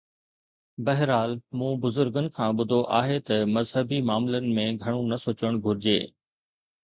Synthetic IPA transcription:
bɐɦɪɾaːlmũːbʊzʊɾɡənɪ̆kʰãːɓʊd̪ʱoʔaːɦet̪ɐmɐzɦəbimaːmlənɪ̆mẽɡʱɐɽ̃ũnɐsoːt͡ɕəɽ̃ɡʱʊɾɪd͡ʑḛː

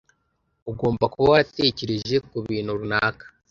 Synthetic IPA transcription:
uɡo̞ːmbakuβawaɾate̞ceɾeʒe̞kuβiːn̤uɾunaːkḁ

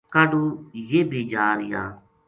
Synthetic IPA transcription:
kaɖuːjeːbiːd͡ʒaːɾɪja̰ː

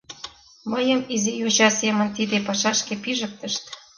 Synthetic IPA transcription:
məjəmizijuʑɑsemə̆nt̪id̪epɑʃɑʃkepiʒək̚t̪əʃt̪

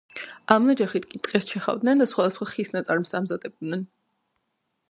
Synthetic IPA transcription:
amnad͡ʒaχit̪ʰkʼit̪ʼqʼɛst͡ʃʰɛχa̰vd̪nɛnd̪asχwad̪asχwaχisnat̪sʼaɾmsamzad̪ɛb̚d̪nɛn

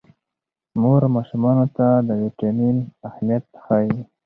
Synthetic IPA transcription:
moɾmɑʃumɑnot̪ad̪əwiʈaminahmijat̪̚ːə̥xaji

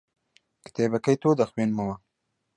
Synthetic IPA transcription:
kɪ̥t̪ebakajt̪od̪axwenmawa

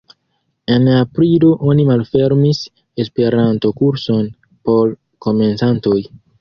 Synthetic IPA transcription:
e̞napɾiloʔo̞nimalfe̞ɾmis | e̞spe̞ɾanto̞kuɾso̞n | po̞ɾ | ko̞me̞nsanto̞j

